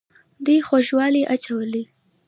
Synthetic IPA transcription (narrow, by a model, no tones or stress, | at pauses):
d̪ujxoʒwɑliʔat͡ʃawəli